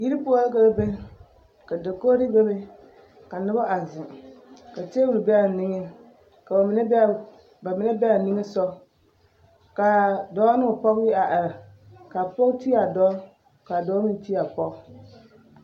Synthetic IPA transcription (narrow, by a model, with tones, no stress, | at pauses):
ji˦ɾi˦po˦a˦lka˦lbe˦ | ka˨dɨ˨ko˦ɾi˦be˦be˦ | ka˨nɨ˦ba˦ʔa˨zɪ˨ka˨te˦wu˨ɾɨ˨bɛ˦˨nɪ˦ŋe˦ | ka˨n˦ | ba˨mɪ˨na˦bɛ˦˨ni˦ŋɨ˦sɔ˦ | ka˨dɔ˦nɨ˦ŋ˨pɔ˦ɣɪ˦a˨ʔa˨ɾa˨ | ka˨pɔ˦kti˦a˨dɔ˦ | ka˨dɔ˦mi˦ti˦a˨pɔ˦